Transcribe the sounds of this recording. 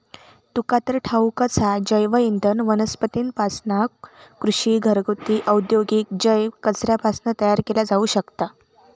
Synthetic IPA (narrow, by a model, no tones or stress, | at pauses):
t̪ukat̪əɾʈʰaukət͡sʰad͡ʑəjʋəind̪ʱənʋənəspət̪iːnpasnakkɾuɕiːɡʱəɾɡut̪iːʔəwd̪joɡik̚d͡ʑəjkət͡sɾjapasnət̪əjaɾkelad͡zauːɕəkt̪a